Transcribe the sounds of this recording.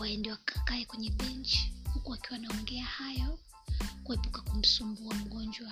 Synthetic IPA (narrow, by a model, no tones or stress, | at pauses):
aɛndɛwaakaɛkwɛɲɛɓɛnt͡ʃhukuakiwanaɔŋɡɛahajɔ | kuhɛpukakum̩sumbuam̩ɠɔnd͡ʒwa